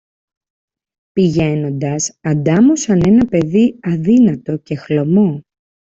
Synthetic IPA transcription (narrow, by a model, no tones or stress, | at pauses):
piʝe̞no̞nd̪ɐsɐnd̪ɐmusɐne̞nɐpe̞ðiɐðinɐt̪o̞ce̞xlo̞mo̞